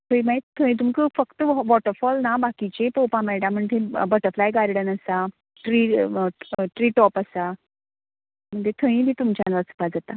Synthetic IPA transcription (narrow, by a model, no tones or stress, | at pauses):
t̪ʰəĩmaet̪ʰə̃ĩt̪umkəfəkt̪əʋʋɔʈəɾfɔlnabakit͡ɕepowpãmɛɽãm̤əɳt̪ʰebəʈəɾflajɡaɾɽənəsa | ʈɾi | ʈɾiːʈɔpasa | m̤əɳd͡zet̪ʰə̃ĩbʱiːt̪umt͡ɕjanʋat͡su̥pad͡zat̪a